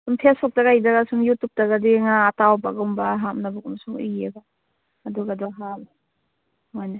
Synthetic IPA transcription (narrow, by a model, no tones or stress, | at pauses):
sumpʰesak̚taɡajdaɡasuŋjutːuk̚taɡadiŋaːtawbaɡaŋbaɦamnabukamasuŋijeɡaː | duɡadɔɦab | mojna